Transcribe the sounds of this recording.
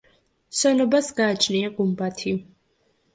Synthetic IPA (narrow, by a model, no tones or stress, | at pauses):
ʃɛnɔbasɡaːt͡ʃʰniaɡumbat̪ʰi